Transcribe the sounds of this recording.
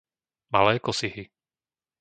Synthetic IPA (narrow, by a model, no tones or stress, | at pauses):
ma̰lɛːkɔsiɦi